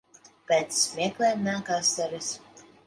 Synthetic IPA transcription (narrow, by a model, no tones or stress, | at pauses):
pʲɛːt̪smʲiɛklʲɛːmʲæːkaːsːɛɾʲɨs